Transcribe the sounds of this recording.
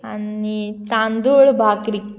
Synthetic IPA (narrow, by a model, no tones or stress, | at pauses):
ɐ̰nːit̪aːnd̪uːɭbʱaːkɾik